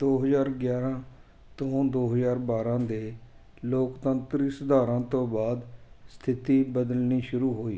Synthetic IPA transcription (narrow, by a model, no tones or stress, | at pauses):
d̪oːɦəzaːɾɡjaːɾãː | t̪õːd̪oːɦəzaːɾbaːɾãːd̪eː | loːkt̪ənt̪ɾiːsəd̪aːɾãːt̪õːbaːd̪st̪ʰɪt̪iːbəd̪əlniːʃʊɾuːɦoːḭː